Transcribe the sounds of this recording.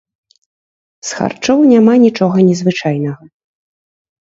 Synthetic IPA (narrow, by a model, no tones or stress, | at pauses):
sxa̰rt͡ʂɔwnʲamanʲit͡ʂɔɣɐnʲɛzvɨt͡ʂajnɐɣɐ